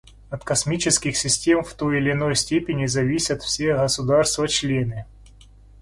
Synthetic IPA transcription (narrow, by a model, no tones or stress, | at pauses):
ɐt̪kɐsmʲit͡ɕɪskʲɪxsʲɪsʲtʲe̞mft̪o̞jɪlʲɪno̞jsʲtʲepʲɪnʲɪzɐvʲisʲət̪fsʲeɣəsʊd̪arst̪vɐt͡ɕlʲenɨ